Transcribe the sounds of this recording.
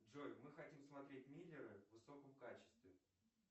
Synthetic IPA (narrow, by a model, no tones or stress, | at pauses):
ʐojʲmɨxɐtʲimsmɐt̪ɾʲet̚ʲmʲilʲːɪɾɨvvɨso̞kəmkat͡ɕɪ̥st̪vʲɪ